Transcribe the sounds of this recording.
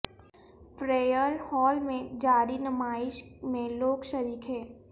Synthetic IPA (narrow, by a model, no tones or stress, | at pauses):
fɾeːjəɾhɔːlmẽd͡ʒaːɾinəmaːɪʃmẽloːɡʃɐɾiːkɦɛ̃ː